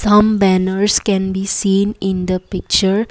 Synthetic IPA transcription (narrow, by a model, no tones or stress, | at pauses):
sʌ̃mbænəɾskɛ̃nbiːsĩːnɪ̃nd̪əpɪk̚t͡ʃəɾ